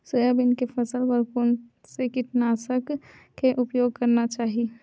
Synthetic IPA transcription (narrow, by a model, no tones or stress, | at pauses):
soɐbɪnkepʰɐsəlʋəɾkon | sekɪʈnasək | kʰeʔʊpjoːɡ̚kɐɾnat͡ʃaːɦi